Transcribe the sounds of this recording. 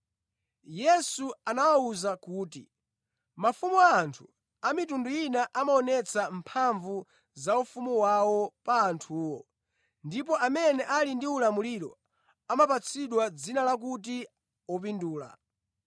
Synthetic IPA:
jɛsuanawauzakuːtḭ | mafumuaːntʰu̥ | amitundujinaʔamaɔnɛt͡sʰampʰaɱvu | zaufumuwawɔpaːntʰuːwɔ | ndip̬ɔʔamɛnɛʔalindiulamuliɾɔ | amapat͡sʰiɗwad͡zinalak̬ut̬i | ɔp̬induːla̰

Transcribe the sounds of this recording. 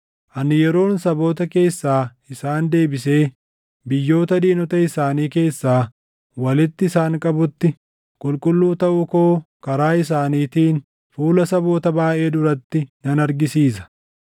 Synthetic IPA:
ʔɐnɪjɛɾo̞ːnsɐbo̞ːt̪ɐke̞ːsːaː | ɪsaːnd̪e̞ːbɪse̞ː | bɪjːo̞ːt̪ɐd̪iːnɔt̪ɐɪsaːniːke̞ːsːaː | wɐlɪt̪ːɪːsaːŋkʼɐbʊt̪ːɪ | kʼʊlkʼʊlːuːt̪ɐʔʊko̞ː | kɐɾaːɪs̬aːniːt̪iːn | fuːlɐsɐbo̞ːt̪ɐbaːʔe̞ːd̪ʊɾɐt̪ːɪnɐnɐɾɡɪsiːs̬ɐ̥

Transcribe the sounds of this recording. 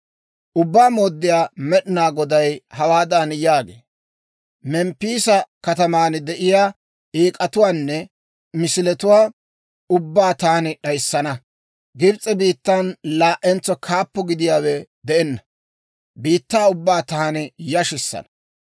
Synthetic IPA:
ʔʊbːaːmoːd̪ːɪjaːmɛɗɪnaːɡɔd̪ɐjhɐwaːd̪anjaːɡḛː | mɛmpːiːsɐkɐt̪ɐmaːnd̪ɛʔɪjaː | ʔiːkʼɐt̪ʊwaːnːɛ | mɪsɪlɛt̪ʊwaː | ʊbːaːt̪aːnɪɗɐjsːɐnɐ | ɡɪɾt͡sʼːɛbiːt̪ːanlaːʔɛnt͡sːɔkʰaːpːɔɡɪd̪ɪjaːwɛd̪ɛɛnːɐ | biːt̪ːaːʊbːaːt̪aːnɪjɐʃɪsːɐ̰nɐ̥

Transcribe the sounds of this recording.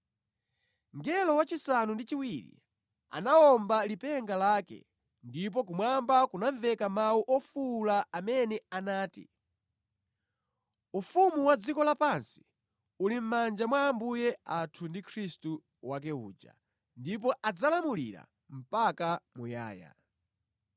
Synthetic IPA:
ŋɡɛlɔwat͡ʃisanundit͡ʃiwiɾḭ | a̰naɔmbalipɛŋɡalaːkɛ̰ | ndip̬ɔkumwambakunaɱvɛkamawuʔɔfulaːmɛnɛanaːtḭ | ufumuwad͡zikɔlapansi̥ | ulim̩mand͡ʒamwaːmbujɛatʰundikʰɾistu | wak̬ɛṵːd͡ʒa̰ | ndip̬ɔʔad͡zalamulḭɾa̰ | m̩pakamuja̰ːja̰

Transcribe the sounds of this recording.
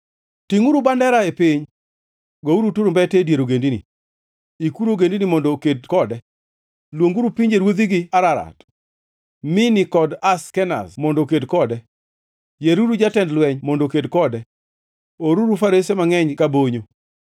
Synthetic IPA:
tiŋuɾubandɛɾaepɪɲ | ɡouɾutuɾombɛtedjeɾoɡendinḭ | ikuɾoɡendinimɔndokedkɔdɛ | lwoŋɡuɾupiɲd͡ʒeɾwod̪iɡɪaɾaɾa̰t | mɪnɪkɔdaskɛna̰smɔndokedkɔdɛ | jeɾuɾud͡ʒatɛndlwɛɲmɔndokedkɔdɛ | oɾuɾufaɾesemaŋɛɲkaboɲo

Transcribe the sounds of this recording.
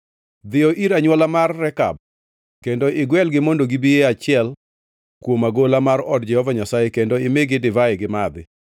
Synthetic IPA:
d̪ɪɔʔiɾaɲwɔlamarːɛka̰b̚ | kendoɪɡwɛlɡɪmondoɡibijeat͡ʃɪɛl | kwomaɡolamarɔdd͡ʒɛhɔvaɲasajekendoɪmeɡɪdɪvaeɡɪmad̪ɪ

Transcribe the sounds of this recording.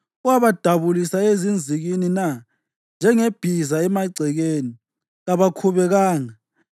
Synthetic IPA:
uwaβad̥ʱaβulisaezind͡zʱiɣinina | nd͡ʒʱɛŋeb̥ʱizaɛmaɡ͡ǀʱɛɣeːni | ɣaβakʰuβɛɣaːŋa

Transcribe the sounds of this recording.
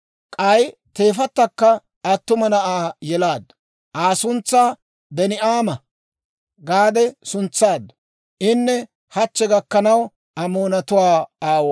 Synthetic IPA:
kʼɐjt̪e̞ːfɐt̪ːɐkːɐ | ɐt̪ːʊmɐnɐʔaːjɛlaːd̪ | ʔaːsʊnt͡sːaː | bɛnɪʔaːmɐ | ɡaːd̪ɛsʊnt͡sːaːd̪ | ʔɪnːɛ | hɐt͡ʃːɛɡɐkːɐnɐw | ɐmoːnɐt̪ʊwaːaːw

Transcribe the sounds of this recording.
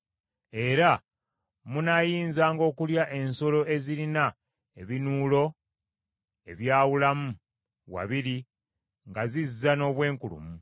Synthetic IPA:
e̞ɾa | munajiːnzaːŋɡo̞ːkuljaʔe̞nso̞lo̞ʔe̞ziɾina | e̞βinuːlo̞ | e̞̰βjaːwulamu | wa̰βiɾi | ŋɡazizːano̞ːβwe̞ːŋkulṵmu

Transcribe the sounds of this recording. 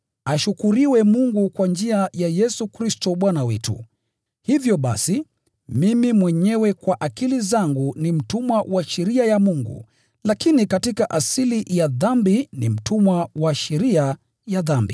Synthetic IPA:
aʃukuɾiwɛmuŋɡukwand͡ʒiajajɛsukɾistɔɓwanawɛtṵ | hivjɔɓa̰si | mimimwɛɲɛwɛkwaʔakilizaŋɡunim̩tumwawʔaʃɛɾiajamuŋɡṵ | lakinikatikaʔasilijaðambinḭm̩tumwawaʃɛɾia | jaðambi

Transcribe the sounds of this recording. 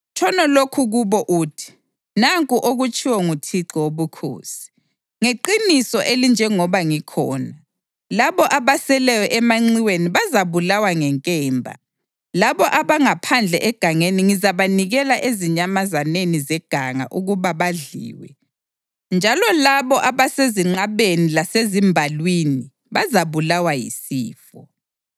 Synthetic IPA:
t͡ʃʰɔnɔlokʰuɣuβɔʔuːtʰi̥ | naŋkʼuʔoɣut͡ʃʰʼiwɔŋutʰiǀɔwoβukʰo̰ːsi̥ | ŋeǃinisɔʔelind͡ʒʱɛŋɔβaŋikʰɔːna | laβɔʔaβasɛlɛjɛʔɛmaŋ͡ǀiweniβazaβulawaŋɛŋkʼɛːmbʱa̰ | laβɔʔaβaŋapʰand͡ɮʱɛʔɛɡ̥ʱaŋeniŋizaβaniɣɛlaʔeziɲamazanenizɛɡ̥ʱaŋa̰ʔuɣuβaβaɮḭːwɛ̰ | nd͡ʒʱalɔlaβɔʔaβaseziŋ͡ǃaβenilasezimbʱalwini | βazaβulawajḭsiːfɔ

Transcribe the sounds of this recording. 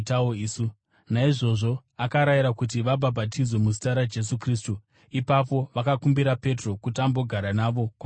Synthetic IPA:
taoisu | naiʐo̞ʐo̞ | akaɾajiɾakut̬iʋabʱabʱatid͡zwe̞muzi̥taɾad͡ʒe̞s̬ukriːs̬tu | ipap̬o̞ʋakakumbiɾape̞tro̞kutambo̞ɡʱaɾanaʋo̞kwa

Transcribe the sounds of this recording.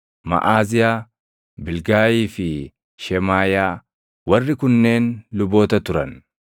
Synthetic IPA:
mɐ̰ʔaːzɪjaː | bɪlɡaːjiːfɪ | ʃɛmaːjaː | wɐrːɪkʊnːe̞ːnlʊbo̞ːt̪ɐt̪ʊɾɐn

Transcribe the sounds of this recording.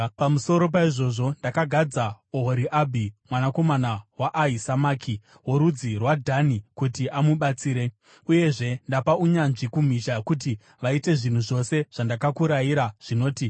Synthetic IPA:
pamuso̞ɾo̞p̬aiʐo̞ʐo̞ndakaɡʱad͡zaoɦoɾiʔabʱimwanako̞manawaʔaisamaːkʰi | woɾud͡zirwadʱanikutiʔamuɓat͡siːɾe̞ | uje̞ʐe̞ndapauɲanʐikum̤iʃakut̬i | ʋaite̞ʐin̤uʐo̞se̞ʐ̥andakakuɾajiɾaʐ̥ino̞ːti

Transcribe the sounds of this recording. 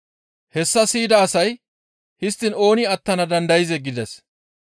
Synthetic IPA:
hɛsːɐsiːd̪ɐːsɐj | hɪst̪ːɪno̞ːnɪɐt̪ːɐnɐd̪ɐnd̪ɐjɪzɛɡɪd̪ɛs

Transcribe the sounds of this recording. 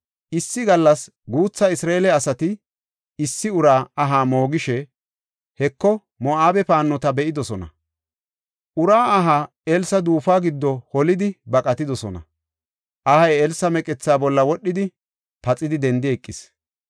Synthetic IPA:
ʔɪsːɪɡɐlːɐs | ɡuːt͡sːɐɪsɾaelɛɐsɐt̪ɪ | ɪsːɪʊɾaːɐɦaːmo̞ːɡɪʃɛ | hɛkːɔ | mɔaːbɛpaːnːɔt̪ɐbɛʔɪd̪ɔsɔnɐ̰ | ʔʊɾaːɦa | ɛlsɐd̪uːfaːɡɪd̪ːɔhɔlɪd̪ɪbɐkʼɐt̪ɪd̪ɔsɔnɐ̰ | ʔɐhɐjɛlsɐmɛkʼɛt͡sːaːbɔlːɐwɔɗːɪd̪ɪ | pɐt͡sʼːɪd̪ɪd̪ɛnd̪ɪɛkʼːɪs

